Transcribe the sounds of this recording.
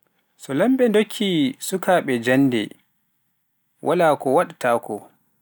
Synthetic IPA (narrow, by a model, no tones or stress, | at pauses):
sɔlambɛndokʰːisukaɓɛd͡ʒanːdɛ̰ | wʔalaːkɔwaɗataːkʰɔ